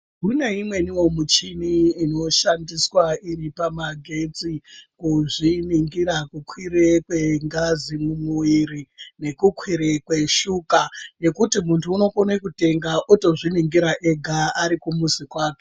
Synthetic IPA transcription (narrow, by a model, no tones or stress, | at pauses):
kune̞imwe̞niwo̞mut͡ʃiniːno̞ʃandiswairipamaɡʱe̞t͡sikuʐiniŋɡiɾakukwiɾekweŋɡazimumuiɾine̞kukʰwiɾekwe̞ʃukaje̞kutimuntʰuːno̞konekute̞ŋɡaʔuto̞ʐiniŋɡiɾaʔeɡʱaaɾikumuzikwaːke